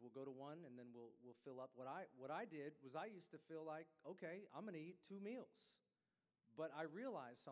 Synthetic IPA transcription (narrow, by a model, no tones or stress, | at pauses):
wəlˠɡoʊɾəwʌ̃nɨ̃nðɨ̃nwilˠwɪlˠfɪlˠʌp̚wʌɾaɪwʌɾaɪdɪd̚wʌzaɪjʉstɨfilaɪk̚oʊkʰeɪã̰ɪ̃mɡʌ̃nɨitʰʉmilˠz̥ | b̥ʌɾaɪɹiəlaɪz̥sʌ̃